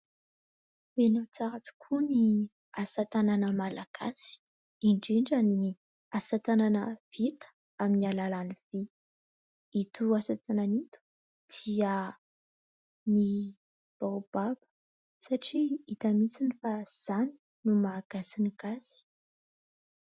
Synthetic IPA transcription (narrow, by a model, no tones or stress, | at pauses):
enat͡saɾat͡su̥kʰuni | asat̪ananəmalaɡ̥asi̥ | iɳɖ͡ʐiɳɖ͡ʐəni | asat̪ananəvit̪ə̥ | aminialalanivit̪ | it̪uasat̪ananit̪u̥ | d̪̥iə | ni | b̥awb̥abə̥ | saʈ͡ʂiit̪amisinifaz̥ani̥ | numaɡ̥asiniɡasi̥